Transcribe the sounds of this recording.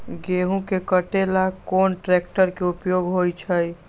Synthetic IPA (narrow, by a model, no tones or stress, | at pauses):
ɡeɦũkekəʈelakonʈɾek̚ʈəɾkeupjoɡɦojt͡ʃʰəj